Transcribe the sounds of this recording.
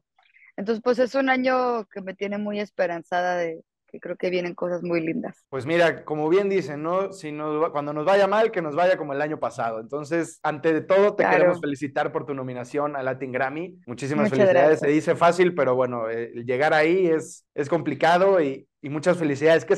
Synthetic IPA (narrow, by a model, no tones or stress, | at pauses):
ent̪onsespwes̬e̞sunaɲo̞ke̞me̞t̪je̞ne̞muje̞spe̞ɾansaðaðe | kekɾe̞oke̞βje̞ne̞ŋko̞sazmujlind̪a̰spwe̞zmiɾako̞mo̞βje̞nd̪ise̞nːo̞sinozβkwand̪o̞no̞zβaʝamalke̞no̞zβaʝako̞moe̞laɲo̞pasaðo̞ent̪o̞ns̬e̞sant̪e̞ðet̪o̞ð̞o̞t̪ekeemosfe̞lisit̪aɾpo̞ɾt̪uno̞mĩnasjo̞nalat̪iŋɡɾamimut͡ʃis̬imasfelisiðaðesːeðise̞fasilpe̞ɾo̞βwe̞no̞elʝe̞ɣaɾaies | esko̞mplikað̞o̞iː | mut͡ʃasfe̞lis̬iðaðeske